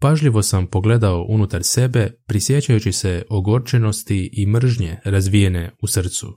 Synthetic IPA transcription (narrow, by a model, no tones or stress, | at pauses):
paʒʎiʋo̞sampo̞ɡle̞d̪ao̞ʔunut̪aɾse̞be̞pɾisje̞t͡ɕajut͡ɕise̞o̞ɡo̞ɾt͡ʃe̞no̞st̪iʔimr̩ʒɲe̞ɾazʋije̞ne̞usr̩t̪sṵ